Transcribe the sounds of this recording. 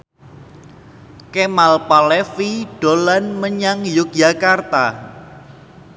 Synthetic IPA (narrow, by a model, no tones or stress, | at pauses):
kemalpalɛfiɖ̥o̤lanməɲaŋjuk̚jakart̪a